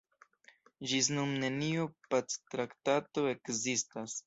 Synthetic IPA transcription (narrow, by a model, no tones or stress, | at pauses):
d͡ʒis̬numne̞niopat͡stɾaktato̞e̞kzistas